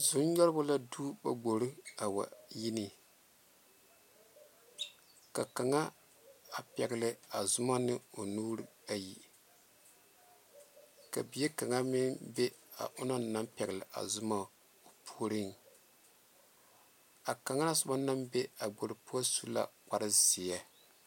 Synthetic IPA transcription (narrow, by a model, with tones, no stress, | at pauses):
zʊ˦n˦ɲɔ˦ɾɨ˦bʊ˦la˦duː˦ba˨ɡ͡bo˨ɾɨ˦a˨wa̰˨ji˦ni˨ | ka˨ka˨ŋa˦ | a˨pɛ˨ɡɨ˨lɨ˨a˨zʊ˦ma˦nɨ˦o˨nuː˦ɾɨ˦a˨ji˨ | ka˨bi˨ɛ˦ka˨ŋa˦mi˦nbe˦a̰˨ʔʊ˦no˦na˦mpɛ˨ɡɨ˨lɪ˨ʔa̰˨zʊ˦ma˨ | o˨pʰu˦ɾi˦n | a˨ka˨ŋa˦la˦sʊ˦ba˦na˦mbe˦a˨ɡ͡bo˨ɾɨ˦pːsu˦la̰˦˨k͡pa˨ɾɨ˦zi˨ja˦